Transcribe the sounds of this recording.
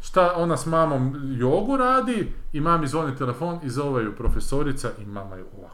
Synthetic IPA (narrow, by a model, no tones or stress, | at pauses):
ʃt̪aonasmaːmo̞mjoɡuɾaːd̪iimaːmizʋonit̪elˠefoːnizoʋajupɾofesoɾit̪saʔimaːmajuoa